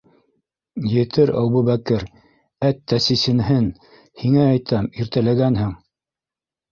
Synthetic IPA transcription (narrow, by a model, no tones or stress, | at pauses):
jɘ̆t̪ʰɘɾæ̰wβuβækɘɾ | æt̪ːæsisɘ̆nhɘn | hiŋæːjt̪ɑmiɾt̪ælæɡænɦɘŋ